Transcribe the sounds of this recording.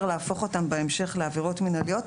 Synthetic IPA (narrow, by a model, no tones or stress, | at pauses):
leafo̞χo̞tambeemʃe̞χleaviʁo̞tminalio̞t